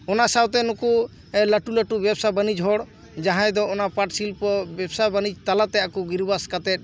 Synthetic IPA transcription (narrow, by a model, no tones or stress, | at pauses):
ɔnasawt̪ɛnuku | ɛlaʈuləʈubɛbsabanid͡ʒɦɔɽ | d͡ʒaɦãjd̪ɔɔnapaʈsilpɔbɛbsabanid͡ʒt̪alat̪ɛakuɡiɾbaskat̪ɛt̪̚ˀ